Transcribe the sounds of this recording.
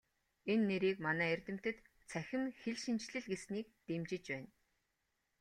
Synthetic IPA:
enːeɾiːkmanæːerʲt̪ɘ̆m̥t̪ɘ̆t̪ | t͡sʰæxʲɪ̆mxeɮʃint͡ɕɮɘ̆ɮɡesniːk̚t̪emt͡ɕɪ̆t͡ɕpæːn

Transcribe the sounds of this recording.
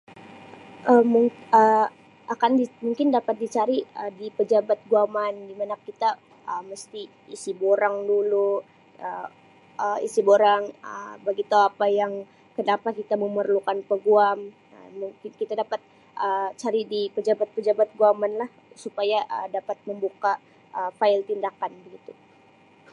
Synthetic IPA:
ʔəmuŋə | ʔakandimuŋkɪndapat̪̚dit͡ʃaɾiədipəd͡ʒabat̪̚ɡuamandimanakit̪a | ʔəməst̪iː | siboɾaŋdulu | ə | əḭsiboɾaŋəbaɡit̪uapajaŋ | kənapakit̪aməmərlukanpəɡuam | ə̰muŋkɪnkit̪adapat̪̚ | ʔət͡ʃaɾidipəd͡ʒabat̪̚pəd͡ʒabat̪̚ɡuamanlah | supajaʔədapat̪̚məmbuka | ʔəfaɪlt̪indakanbəɡit̪u

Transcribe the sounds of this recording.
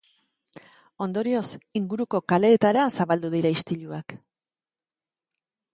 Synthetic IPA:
o̞nd̪o̞ɾio̞siŋɡuɾuko̞kale̞ːt̪aɾasaβald̪uðiɾaist̪iʎuak

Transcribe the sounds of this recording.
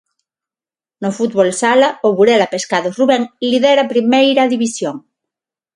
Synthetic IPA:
nofut̪̚βolsalaoβuɾelapeskaðoruβeŋliðeɾapɾimejɾaðiβisjoŋ

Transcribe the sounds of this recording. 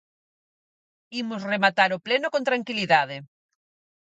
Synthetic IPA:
imozremat̪aɾoplenokõnt̪ɾaŋkiliðaðe

